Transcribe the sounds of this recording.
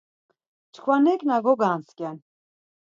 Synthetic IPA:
t͡ʃʰkʰvanɛknaɡɔɡaːnskʼɛn

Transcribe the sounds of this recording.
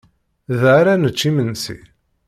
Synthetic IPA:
ðaɾanət͡ʃːimənsḭ

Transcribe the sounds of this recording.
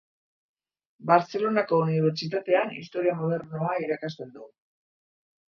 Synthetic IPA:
baɾt͡se̞lo̞nako̞uniβ̞e̞ɾt͡sit̪at̪e̞anḭst̪o̞ɾiamoð̞e̞ɾnoaiɾakast̪e̞nd̪u

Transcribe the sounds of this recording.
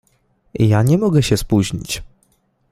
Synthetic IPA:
jaɲɛmɔɡɛɕɛspuʑɲḭt͡ɕ

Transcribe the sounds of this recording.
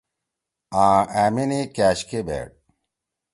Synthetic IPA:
ãːæːmenekæːɕkebḛːʈ̚

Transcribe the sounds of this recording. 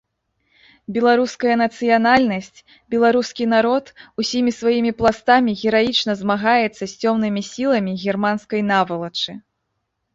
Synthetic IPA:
bʲɛlˠaɾuskɐjɐnɐt̪sɨjanalʲnɐsʲt͡sʲ | bʲɛlˠaɾuskʲinaɾɔt̪usʲimʲisvajimʲiplˠast̪amʲiɣʲɛɾajit͡ʂn̪ɐzmaɣajɛt̪sːɐsʲt͡sʲɔmnɨmʲisʲilˠɐmʲiɣʲɛrmanskɐjnavɐlˠɐt͡ʂɨ

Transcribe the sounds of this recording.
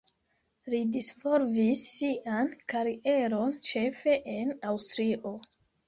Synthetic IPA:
lidisvoɾvisːiʔankaɾiʔe̞ɾo̞nt͡ʃe̞fe̞ʔenawstɾiʔo̞

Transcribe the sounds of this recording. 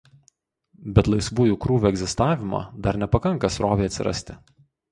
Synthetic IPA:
bʲɛt̪lˠɐɪsʋuːjuːkɾuːʋʲuːɛɡʲzʲɪst̪ɑːʋʲɪmo̰ːd̪ɐɾnʲɛpɐkɐŋˑkɐsɾoːʋʲɛɪɐt̪ʲsʲɪ̰ɾɐ̰sʲt̪ʲɪ

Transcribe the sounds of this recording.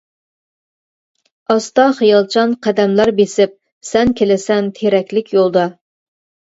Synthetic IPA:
ɑst̪ɑχijɑlˠt͡ʃʰɑnqʰæd̪ɛmlɑɾbesɪp̚ | sɛnkʲʰelɪsɛnt̪ʰeɾɛkʲlɪkʲʰjolˠd̪ɑ

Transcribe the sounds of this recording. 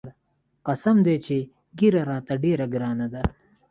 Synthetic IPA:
qɐsɐmd̪eːt͡ʃʰe | ɡiɾɐɾaːt̪ɐɖeːɾɐɡɾaːnɐd̪a

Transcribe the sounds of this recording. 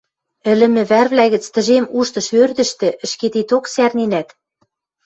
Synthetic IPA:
ɘ̆lɘ̆mɘ̆βærβlæɣɘ̆t͡st̪ɘ̆ʒemuʃt̪ɤ̆ʃørd̪ɘ̆ʃt̪ɘ̆ʔɘ̆ʃket̪et̪oksærninæt̪

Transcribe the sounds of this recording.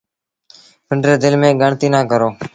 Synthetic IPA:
pʰɪɳɖɾeːd̪ɪlmẽːɡəɳt̪iːnãːkəɾoː

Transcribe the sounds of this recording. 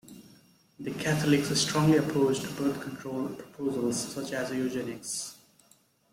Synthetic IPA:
d̪əkʰæt̪ʰəlɪksɪ̥sʈɾɔ̃ŋliəpʰɾoʊt͡ʃʈubəɾt̪ʰkʰə̃nɳʈʰɾoːlpʰɾə̥pʰoːzəlzsʌt͡ʃæziod͡ʒẽnɪks

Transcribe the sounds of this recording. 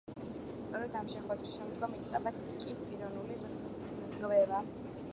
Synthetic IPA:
st̪sʼɔɾɛd̪amʃɛχwɛd̪ɾisʃɛmd̪ɡɔmit̪sʼq̪ʼabat̪ʰikʼispʼiɾɔnuli | ʁvɛva

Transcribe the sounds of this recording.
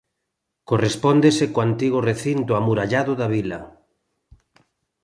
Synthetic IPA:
korespɔnd̪esekoant̪iɣ̞ʊreθint̪ʊamuɾaʎaðʊðaβilɐ

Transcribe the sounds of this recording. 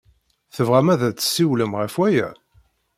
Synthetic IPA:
θəvʁæmæðæt͡sːə̥sːiwləmʁæfwæjæ̰

